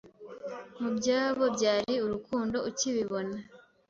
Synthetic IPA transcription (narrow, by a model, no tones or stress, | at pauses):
mubɟaːβo̞bɟaːɾiuɾukuːndo̞uciβiβo̞na